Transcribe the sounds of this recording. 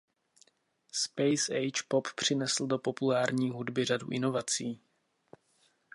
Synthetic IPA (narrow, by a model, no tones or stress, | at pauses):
spɛjsɛjt͡ʃpo̞ppr̝̥ɪnɛsl̩do̞po̞pulaːɾɲiːɦudbɪradṵʔɪno̞vat͡siː